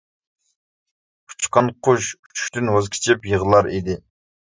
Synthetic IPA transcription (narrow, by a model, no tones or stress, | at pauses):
u̥t͡ʃqɑnqʰʊʃy̥t͡ʃʰy̥ʃʲt̪ynwozkʲʰi̥t͡ʃʰɪpjəʁəlˠɑɾid̪ɪ